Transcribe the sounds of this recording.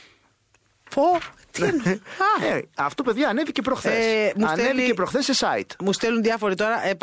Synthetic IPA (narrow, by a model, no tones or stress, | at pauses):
pʰot̪ɐeɐft̪ope̞ðʝɐːne̞vice̞pɾo̞xθesmusɐneviepɾoxθesːesɐit̪must̪elunðiɐfo̞ɾit̪o̞ɾɐʔe